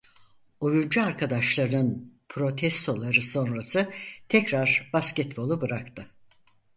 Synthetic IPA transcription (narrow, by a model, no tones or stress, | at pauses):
ojund͡ʒuaɾkʰad̪aʃlˠaɾɯnpʰɾo̞t̪ʰɛst̪ʰo̞lˠaɾɯso̞nɾasɯt̪ʰɛcɾaɾbascɛt̪bo̞lˠubɯɾakt̪ʰɯ